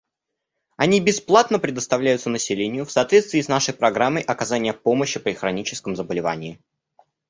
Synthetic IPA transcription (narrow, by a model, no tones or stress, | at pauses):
ɐnʲibʲɪsplˠat̪nəpɾʲɪd̪əst̪ɐvlʲæjʊt̪sənəsʲɪlʲenʲɪjʊfsaːt̪vʲet̪t̪vʲiːsnaʂəjpɾɐɡɾamːəjʔɐkɐzanʲɪjəpo̞məɕːɪpɾʲɪxɾɐnʲit͡ɕɪ̥skəmzəbəlʲɪva̰nʲɪː